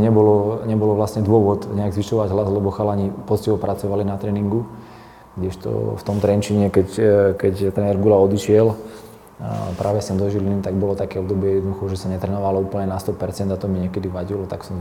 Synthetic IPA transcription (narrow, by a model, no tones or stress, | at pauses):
ɲɛbɔlɔɲɛbɔlɔʋlasɲɛd̪ʊɔʋɔt̪ɲɛaɡzʋiʃɔʋaɟɦlazlɛbɔxalaɲipɔt͡sciɦɔpɾat͡sɔʋalinat̪ɾɛːniŋɡu | ɡɟɛʃt̪ɔ̰ft̪ɔmt̪ɾɛnt͡ʃiɲɛkɛckɛct̪ɾɛnɛɾɡulaɔd̪iʃɪɛl | pɾʔaːʋɛsɛmd̪ɔʒilinit̪aɡ̚bɔlɔt̪akɛɔbd̪ɔbɪɛjɛd̪nɔd̪uxɔʒɛsaɲɛt̪ɾɛnɔʋalɔuːpəlɲɛnast̪ɔpɛɾt͡sɛnd̪at̪ɔmiɲɛkɛd̪iʋaɟilɔt̪aksɔm